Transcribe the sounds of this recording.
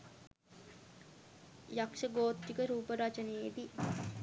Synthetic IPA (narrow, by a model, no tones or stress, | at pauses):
jakʂəɡoːt̪ɾikəɾuːpəɾat͡ʃəned̪i